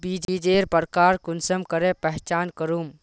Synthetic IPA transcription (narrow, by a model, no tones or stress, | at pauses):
bid͡ʒid͡ʒeɾpəɾkaːɾkunsəmkəɾepəɦt͡ʃaːnkəɾum